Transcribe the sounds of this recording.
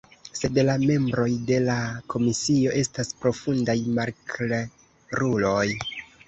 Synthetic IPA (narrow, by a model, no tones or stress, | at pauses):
se̞dlame̞mbɾo̞jde̞lakʰo̞misio̞ʔe̞staspɾo̞fundajmaɾkle | ɾulo̞j